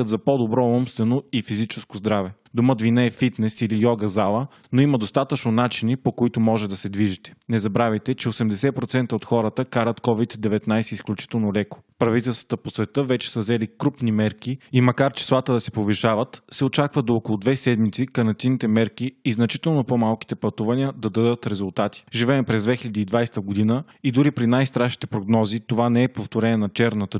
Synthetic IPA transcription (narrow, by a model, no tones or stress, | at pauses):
əd̪zɐpod̪obɾɔɔmst̪vɛnoifizit͡ʃɛskozd̪ɾavɛ | d̪oməd̪vinəɛfit̪nɛsilijɔɡəzalˠə | noimɐd̪ost̪at̪ət͡ʃnonat͡ʃinipokoit̪ʊmɔʒɛd̪ɐsɛd̪viʒit̪ɛ̥nɛzɐbɾavɐjt̪ɛt͡ʃɛosɛmd̪ɛsɛpɾot̪sɛnt̪əot̪xɔɾət̪əkaɾət̪kɔvid̪d̪ɛvɛt̪najsɛisklʲut͡ʃi̥t̪ɛlˠnolɛko̥pɾɐvit̪ɛlˠst̪və̥t̪əposvɛt̪ɤvɛt͡ʃɛ̥səzɛlikɾupnimɛɾkiimɐkaɾt͡ʃɛ̥slˠat̪əd̪ɐsɛ̥poviʃavət̪sɛot͡ʃakvəd̪oɔkolˠʊd̪vɛsɛd̪mit̪sikɐnɐt̪init̪ɛmɛɾkiːznɐt͡ʃi̥t̪ɛlˠnopomalˠki̥t̪ɛpɐt̪uvɐniəd̪ɐd̪əd̪ət̪ɾɛzulˠt̪at̪i̥ʒivɛːpɾɛzd̪vɛxilʲɐd̪iːd̪vajst̪əɡod̪inə | id̪uɾipɾinajst̪ɾaʃni̥t̪ɛpɾoɡnɔzit̪ovanɛɛpoft̪oɾɛnɛnɐt͡ʃɛɾnət̪ə